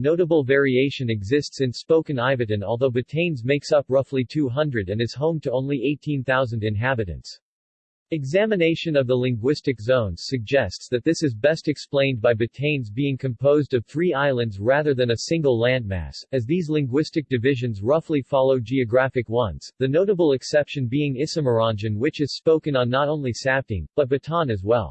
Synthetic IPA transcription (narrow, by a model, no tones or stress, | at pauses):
noʊɾəbl̩ˠvɛɹieɪʃɨ̃nɨɡzɪstsɨ̃nspoʊkɨ̃naɪvɨɾɨ̃nɔlˠðoʊbɨtʰẽɪ̃nzmeɪksʌpɹʌflitʰʉɦʌ̃ndɹɨɾɨ̃nɨz̥hõʊ̃mtʰəõʊ̃nlieɪtʰĩnθaʊzɨ̃n̩dɨ̃nɦæbɨɾɨ̰̃nts | ɨɡzæmɨneɪʃɨ̃nʌvðəlɪ̃ŋɡwɪstɨkzõʊ̃nz̥sɨɡ̚d͡ʒɛstsðɨt̪̚ðɪsɨzbɛstɨksplẽɪ̃nbaɪbɨtʰẽɪ̃nzbiɪ̃ŋkʰɨ̃mpʰoʊzdʌv̥θɹiaɪlˠə̃ndzɹæðə˞ðɨ̃nɨsɪ̃ŋɡl̩ˠlæ̃nd̚mæ̰sɨzðizlɪ̃ŋɡwɪstɨk̚d̥ɨvɪʒɨ̃nzɹʌflifɑlˠoʊd͡ʒiɨɡɹæfɨkwʌ̃nz̥ðɨnoʊɾəbl̩ˠɨksɛpʃɨ̃nbiɪ̃ŋɪsɨmə˞ɑ̃nd͡ʒɨ̃nwɨt͡ʃɨz̥spoʊkɨ̃nə̃nːəɾõʊ̃nlisæp̚tɪ̰̃ŋb̥ʌt̚b̥ɨtʰɑ̃nɨzwɛ̰lˠ